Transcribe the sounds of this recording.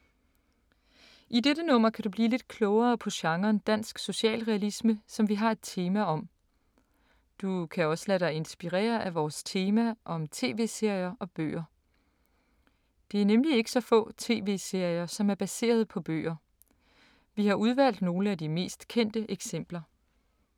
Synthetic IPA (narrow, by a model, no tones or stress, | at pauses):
ʔideɾənɔ̽m̰ɐkʰæd̥ub̥liːle̝d̥̚kʰlɔʊɐːpʰɒ̽ɕɑ̈ŋɐːnd̥æn̰sɡ̥so̝ɕɛ̰ːlʁɛælisməsɒ̽mʋiɦɑ̈e̝d̥̚t͡sʰe̝ːmæɒ̽m | d̥ukʰæɒ̽səlæɾ̥ɑ̈ɪe̝nsb̥iʁɛ̰ːɐʔæʋɒːst͡sʰe̝ːmæʔɒ̽mt͡sʰe̝̰ːʋe̝̰ːse̝ɐ̰jɐʔɒ̽b̥ø̰ːɐ | d̥e̝æɐnemlie̝ɡ̥ə̥sɒ̽fɔ̰̽ːt͡sʰe̝ːʋe̝̰ːse̝ɐ̰jɐsɒ̽mæɐb̥æse̝̰ːɐð̞ˠpʰɒ̽b̥ø̰ːɐ | ʋihɑ̈uð̞ˠʋæl̰d̥no̝ːləæd̥ime̝̰ːsd̥kʰen̰d̥əʔeɡ̥sem̰b̥lɐ